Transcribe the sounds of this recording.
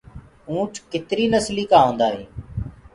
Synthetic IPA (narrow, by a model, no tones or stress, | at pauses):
ũːʈʰkɪt̪ɾiːnəsliːkãːɦõːnd̪aːɦeː